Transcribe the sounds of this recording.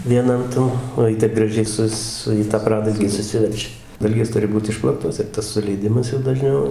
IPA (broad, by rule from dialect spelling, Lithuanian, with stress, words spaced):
ʋʲiɛˈnɐn tɐn oː ˈjɪ tɐɪp ɡrɐˈʒʲɛɪ ˈsʊs ˈsʊ iː tɑː ˈprɑːdɐlʲɡʲiː sʊˈsʲɪʋʲɛrʲt͡ʃʲɛ ˈdɐlʲɡʲeːs ˈtʊrʲɪ ˈbuːt ˈɪʃplˠɐktoːs ɪr ˈtɐs sʊlʲɛɪˈdʲɪmɐs jɛʊ dɐˈʒʲnʲɛʊ